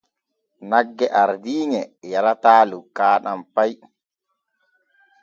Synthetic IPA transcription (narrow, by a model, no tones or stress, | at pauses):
naɡːɛʔaɾdiːŋɛjaɾataːlukːaːɗampaj